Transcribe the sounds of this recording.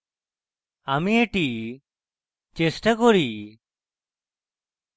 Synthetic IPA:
aːmiːeʈiː | t͡ʃeːsʈakoɾiː

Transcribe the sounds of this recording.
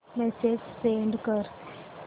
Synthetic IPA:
mɛsesseɳɖkəɾ

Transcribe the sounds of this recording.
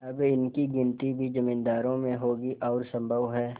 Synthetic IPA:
ɐbɪnkiɡɪnt̪ibʱid͡ʒɐmĩːnd̪aːɾõmẽɦoːɡiʔɔːɾsɐ̃mbʱəʋɦɛː

